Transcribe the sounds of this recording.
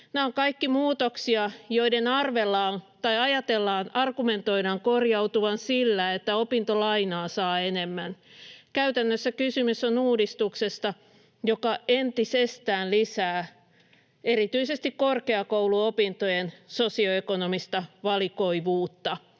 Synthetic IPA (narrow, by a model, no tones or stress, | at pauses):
neoŋkɑikːimuːt̪oksiɑjoidenɑrʋelːɑːnt̪ɑiɑjɑt̪elːɑːnɑrɡument̪oiɾɑːŋkorjɑut̪uʋɑnsilːæet̪ːæopint̪olɑinɑːsɑːenemːænkæyt̪ænːøsːækysymysonuːdist̪uksest̪ɑ | jokɑent̪isest̪æːnlisæː | erit̪yisest̪ikkorkeɑkowluopint̪ojensosioekonomist̪ɑʋɑlikoiʋuːt̪ːɑ